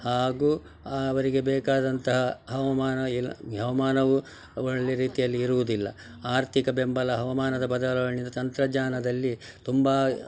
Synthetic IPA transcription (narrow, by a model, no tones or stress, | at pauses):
haːɡuː | ɐʋɐɾiɡebɛːkaːd̪ɐnt̪ɐɦɐɦɐʋɐmaːnɐilɦɐʋɐmaːnɐʋu | oɭɭeɾiːt̪ijɐlːiːɾuʋud̪ilːɐ̰ | aːɾt̪ʰikɐbembɐlɐɦɐʋɐmaːnɐd̪ɐbɐd̪ɐlɐʋɐɭnind̪ɐt̪ɐnt̪ɾɐd͡ʒaːnɐd̪ɐlːi | t̪umbaː